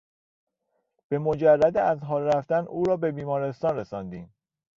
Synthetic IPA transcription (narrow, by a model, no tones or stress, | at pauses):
b̥e̞mo̞d͡ʒærːæd̪eæzɦɒːlɾæft̪ænʔuːɾɒːbe̞biːmɒːɾe̞st̪ɒːnɾesɒnd̪iːm